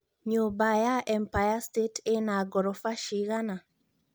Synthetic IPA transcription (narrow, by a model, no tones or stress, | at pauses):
ɲobajaʔɛmpajastetʰenaɡɔɾɔfaʃiɣana